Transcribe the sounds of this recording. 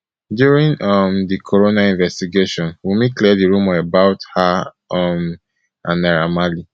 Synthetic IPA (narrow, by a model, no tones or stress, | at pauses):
djuɹĩnʌmdikʰɔɹonaĩnvɛstiɡeʃɔ̃nwimiklidiɹũmaəbaʊtha | ʌm | ʔãnaɹamali